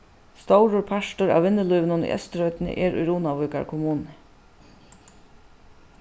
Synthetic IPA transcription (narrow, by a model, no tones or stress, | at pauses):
st̪owɾʊɾpʰaʂtʊɾa̰ːwʋɪnːɪluːʋɪnʊnḭʔɛ̰st̪ɾœʏt̪nə̰ʔɛɾṵjɾuːnaʋujka̰ɹkʰʊmuːnnə